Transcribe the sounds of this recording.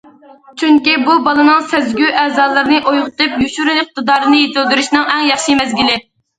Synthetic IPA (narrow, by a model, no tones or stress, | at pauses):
t͡ʃʰyŋkʲibubɑlˠɨnɨŋsɛzɡʲyʔɛːzɑːlˠɨɾnɨʔojʁʊt̪ɨpjuʃuɾynɪχ̚t̪ɨd̪ɑːɾɨnɨjet̪øld̪yɾuʃnɨŋɛŋjɑχʃimɛzɡʲilɪ